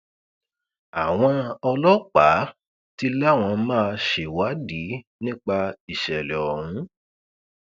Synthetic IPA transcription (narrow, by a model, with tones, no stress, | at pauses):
a˨w̃ɔ̃˧ɔ˧lɔ˦k͡pa˨˦ | ti˦˧la˦˨w̃ɔ̃˧mãː˦˧ʃe˨wa˨˦di˨˦ | nĩ˦k͡pa˧i˨ʃɛ˨lɛ˨ɔ˨hũ˨˦